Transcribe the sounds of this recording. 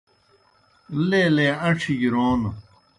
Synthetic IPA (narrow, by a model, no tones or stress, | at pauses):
leleːɐʈ͡ʂʰiɡiɾoːn